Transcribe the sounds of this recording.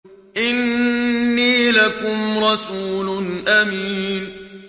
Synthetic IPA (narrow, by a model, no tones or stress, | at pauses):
ʔɪnː | iːlakʊmɾˤɑsuːlʊnʔamiːn